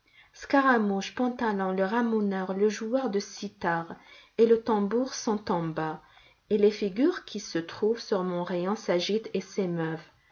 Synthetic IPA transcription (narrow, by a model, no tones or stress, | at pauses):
skaʁamuʃpɑ̃t̪alɔ̃ləʁamunœʁləʒuœʁd̪əsit̪aʁelət̪ɑ̃buʁsɑ̃t̪ɑ̃ba | elefiɡʲyʁkʲʰisət̪χuvsyʁmɔ̃ʁejɔ̃saʒit̪esemœv